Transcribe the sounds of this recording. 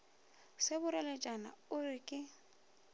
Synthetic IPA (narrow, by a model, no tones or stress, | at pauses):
sɪbʊɾɛlɛt͡ʃʼana̰ʊrɪkʼɪ